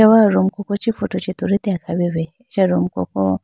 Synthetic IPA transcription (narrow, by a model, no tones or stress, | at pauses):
awaɾɔm̩kɔkɔt͡ʃifutɔt͡ʃituɾitɛakʰaβiβɛːt͡ʃaɾɔm̩kɔ̰kɔ̰